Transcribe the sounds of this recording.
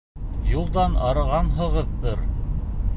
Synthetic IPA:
julˠd̪ɑnɑɾɤ̆ʁɑnɦɤ̆ʁɤðːɤɾ

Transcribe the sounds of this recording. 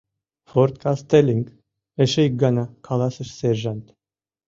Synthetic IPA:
fɔɾt̪̚kʰast̪elʲiŋɡ | ɛʃɛj̚ɡanakʰalˠasəʃsɛɾʒant̪

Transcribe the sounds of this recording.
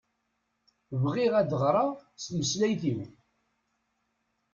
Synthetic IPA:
vʁiʁæd̪əʁɾˤɑst̪məslæjθim

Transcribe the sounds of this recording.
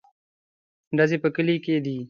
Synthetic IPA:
ɖəzeːpəkəliːkeːd̪iː

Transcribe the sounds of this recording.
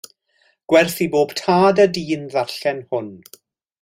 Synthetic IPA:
ɡ̥wɛrθiboːb̥tʰaːdədiːnðaɬɛnhʊn

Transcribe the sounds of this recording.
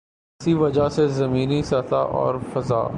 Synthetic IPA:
ɪsiʋɐd͡ʒasezɐmiːnisɐt̪aʔɔ̰ːɾfɐza̰ː

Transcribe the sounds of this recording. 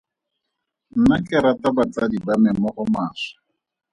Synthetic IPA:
n̩nakʼɛɾatʼabat͡sadibamɛmɔʔʊmaːsḁ

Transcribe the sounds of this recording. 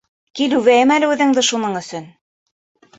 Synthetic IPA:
kilʉvæjɘmælɘʉðɘ̆ŋd̪ɘʃunɤɴɵ̆sɵn

